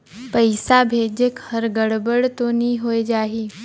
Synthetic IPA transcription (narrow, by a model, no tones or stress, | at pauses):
pəɪsabʱeːd͡ʒɪkhɐɾɡəɽbəɽt̪oniɦoːed͡ʒaːɦiː